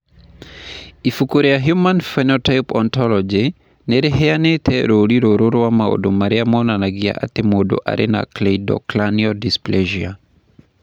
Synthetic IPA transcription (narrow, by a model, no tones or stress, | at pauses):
ifukoɾejaɦjumanfɛnɔtajpɔnt̪ɔlɔd͡ʒe | neɾeɦɛanet̪ʰɛɾoliɾoɾoɾowamao̰domaɾeamɔnanaɡia̰ʔa̰t̪emodo̰ʔa̰ɾʔena̰kleidɔ̰klaniɔdispleʒia